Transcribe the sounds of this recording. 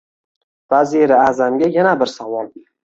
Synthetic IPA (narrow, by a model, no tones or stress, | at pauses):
vaziɾɪazamɡʲajanabɪɾsavɒlˠ